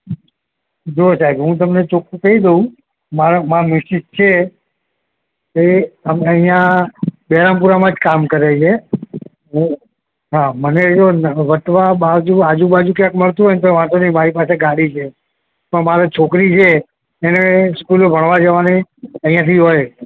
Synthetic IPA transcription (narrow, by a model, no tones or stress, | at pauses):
d͡ʒosaɛbɦũt̪̬əmnet͡ʃʰokukəid̪oũ | maɾmãmɪid͡ʒt͡ʃʰe | eəməɦijãbɛɾampuɾamãd͡ʒkamkəɾet͡ʃʰe | ɦũ | ɦaməned͡ʒonʋəʈ̪ʋabad͡ʒuad͡ʒũbad͡ʒũkjãkməɭt̪ũɦojnt̪oʋãsonĩmaɾipaseɡaɽit͡ʃʰe | pəɳmaɾɛt͡ʃʰokɾit͡ʃʰeː | neskulobʱəɳʋad͡ʒəʋaneəɦĩjãt̪ʰiɦoj